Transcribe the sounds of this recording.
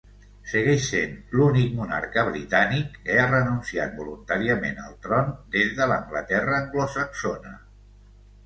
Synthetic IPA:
səɣɛʃsenlunik̚muna̰ɾkəβɾit̪anikːəarənunsiat̪̚bulunt̪aɾiəmḛnəlˠt̪ɾɔnd̪ezðələŋɡlət̪ɛrəːŋɡlosəksonə̰

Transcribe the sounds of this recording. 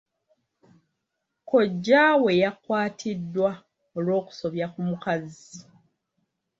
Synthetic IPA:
ko̞ɟːawe̞jakwaːtʰidːwa | olwo̞ːku̥so̞βjakumukazi

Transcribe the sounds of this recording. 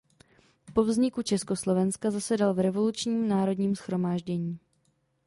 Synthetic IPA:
po̞vzɲɪkut͡ʃɛsko̞slo̞vɛnskazasɛdalvɾɛvo̞lut͡ʃɲiːmnaːɾo̞dɲiːmsxɾo̞maːʒɟɛɲiː

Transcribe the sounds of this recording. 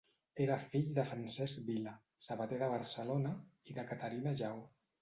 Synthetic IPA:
eɾəfiʎðəfɾansɛzkbila | səβət̪eðəβəɾsəlonəiðəkət̪əɾinəʒaw

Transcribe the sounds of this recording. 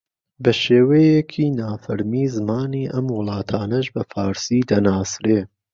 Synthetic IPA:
bɐʃeːwejekʰiːnaːfɐɾmiːzɨmaːniːʔɐmwʊlˠɑːt̪ʰaːnɐʒbɐfaːɾsiːd̪ɐnaːsɾeː

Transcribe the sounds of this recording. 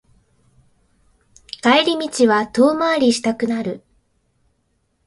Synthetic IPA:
kaeɾʲimʲit͡ɕiβat̪o̞ːmaːɾʲiɕi̥t̪akɯ̟naɾɯ̟

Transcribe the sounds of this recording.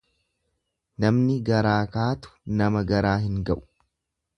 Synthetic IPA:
nɐmnɪɡɐɾaːkaːt̪ʊ̥nɐmɐɡɐɾaːhɪŋɡɐʔʊ̥

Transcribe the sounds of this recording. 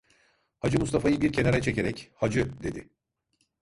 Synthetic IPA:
had͡ʒɯmust̪ʰafajɯbiɾcʰe̞naɾɛt͡ʃʰe̞ce̞ɾɛchad͡ʒɯd̪e̞d̪ɪ

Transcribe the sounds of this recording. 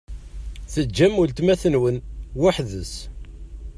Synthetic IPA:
θəd͡ʒæmːult̪mæθənwənwaħðəs

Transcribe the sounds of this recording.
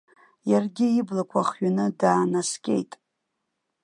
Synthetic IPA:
jarɡʲɪiblakʷʰaχɥanɨdaːnaskʲʼe̞̰jtʼ

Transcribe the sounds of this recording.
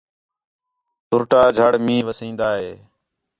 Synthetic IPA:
t̪ʊɾʈaːd͡ʒʱəɽmĩːʋəsĩːnd̪aːɦeː

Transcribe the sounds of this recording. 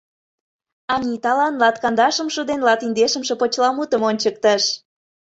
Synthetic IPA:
ɑnʲit̪ɑlɑnlɑt̪kɑnd̪ɑʃə̆mʃud̪enlɑt̪ind̪eʃə̆mʃə̆pot͡ɕlɑmut̪əmonʲt͡ɕək̚t̪əʃ

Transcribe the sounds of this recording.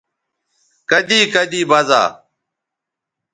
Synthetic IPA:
kəd̪iːkəd̪iːbɐza̰ː

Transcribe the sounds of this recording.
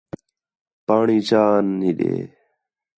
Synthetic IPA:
paːɳiːt͡ʃaːnːiːɗḛː

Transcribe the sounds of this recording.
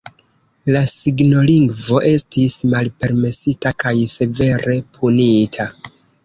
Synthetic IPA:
lasiɡno̞liŋɡvo̞ʔe̞stismalpe̞ɾme̞sitakajse̞ve̞ɾe̞pʰunitʰa

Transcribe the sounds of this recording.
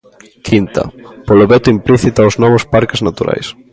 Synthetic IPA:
kʰint̪ɐ̰poloβet̪ʊimpliθit̪aoznɔβ̞ʊspaɾkɪznat̪uɾʔa̰js

